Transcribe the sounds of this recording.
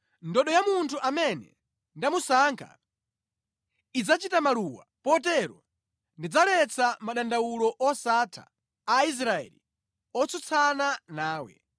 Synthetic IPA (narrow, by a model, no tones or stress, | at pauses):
ndɔɗɔjamuntʰuʔamɛnɛ̰ | ndamusaŋkʰa̰ | id͡zat͡ʃitamaluwa̰pɔtɛɾɔ | ndid͡zalɛt͡sʰamaɗandawulɔʔɔsatʰa̰ː | is̬ɾaɛ̰li | ɔt͡sɔt͡sʰananaːwɛ̰